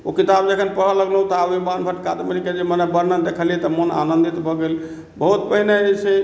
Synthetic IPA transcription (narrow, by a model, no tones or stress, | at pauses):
okit̪abd͡ʒekʰənpəɦələɡləũt̪abimanbʰʱəʈkad̪məɾiked͡ʒemənebəɾnəd̪ekʰəlijɛt̪əməna̰nə̃nd̪it̪bʱɔɡel | bəɦut̪pəɦinet͡ʃʰe